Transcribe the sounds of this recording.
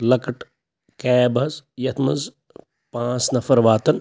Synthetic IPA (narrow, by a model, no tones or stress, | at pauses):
lɐkɐʈ | kɛːbʱɐzjɐt̪ʰmɐz | pãːt͡snɐfɐɾʋaːt̪ɐn